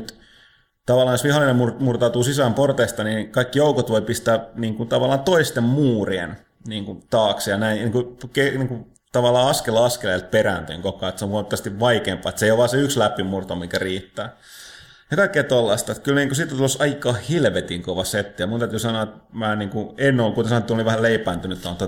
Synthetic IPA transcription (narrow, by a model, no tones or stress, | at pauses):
t̪ | t̪ɑʋɑlːˑɑːnjosʋihɑlːˑinemmumurt̪ɑˑut̪uːsisæmport̪eist̪ɑnikɑikːijoukot̪ʋoipist̪æːniːŋkunt̪ɑʋɑlːˑɑːnt̪oist̪emmuːriḛn | niːŋkunt̪ɑːksjɑnæiniːŋkukeniːŋku | t̪ɑʋɑlːˑɑːɑskelɑɑskeleˑilt̪̚peræ̰nt̪y̰iŋkokˑɑːet̪seõŋkont̪ːɑst̪iʋʋɑikeːmpˑɑ̰ːet̪seijoʋʋɑːseykslæpimːurt̪omiŋkæriːt̪ːæː | jɑk̪ɑikːˑeːt̪olːɑst̪ɑet̪kylniːŋkusit̪ːont̪ulsɑikɑːhilʋet̪iŋkoʋɑset̪ːijɑmunt̪æt̪yːsɑnoɑˑet̪mæːniːŋkuenːolːkut̪esɑnoet̪ːoliʋæhælleipæːnt̪ynyet̪t̪ot̪o